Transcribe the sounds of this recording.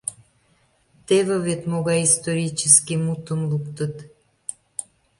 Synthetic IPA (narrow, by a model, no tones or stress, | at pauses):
t̪eβeβet̪moɣɑjist̪oɾʲit͡ɕəskimut̪əmlukt̪ət̪